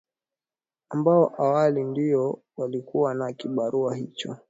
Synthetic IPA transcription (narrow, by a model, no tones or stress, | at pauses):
ambaɔʔawalindiɔ | walikuwanakiɓaɾʔuahit͡ʃɔ